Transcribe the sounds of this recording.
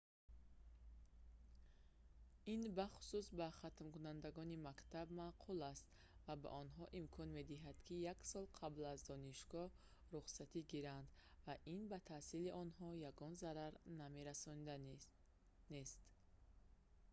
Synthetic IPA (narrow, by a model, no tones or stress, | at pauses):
inbaχu̥susbaχat̪mkunand̪aɡɔnimakt̪ʰabmaqʰulast̪ | vaba̰ʔɔnɦɔʔimkʰɔnme̞d̪iɦad̪̥kʰijaksɔlˠqʰablazd̪ɔniʃɡɔ | ɾuχsat̪ʰiɡiɾand̪vaʔinbat̪ʰasiliʔɔnɦɔjaɡɔnzaɾaɾname̞ɾasɔnd̪ | nest̪